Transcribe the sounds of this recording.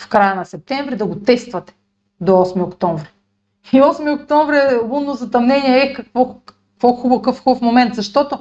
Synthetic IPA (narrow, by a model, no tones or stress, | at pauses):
fkɾajanasɛp̚t̪ɛɱvɾid̪aɡot̪ɛst̪vɐt̪ɛ̥ | d̪oɔsmiokt̪ɔɱvɾi | iɔsmiokt̪ɔɱvɾiɛunːozɐt̪ɐmnɛniɛɛkakvɔk | kvɔxubokɤfxubfmomɛnt̪zɐʃt̪ɔt̪o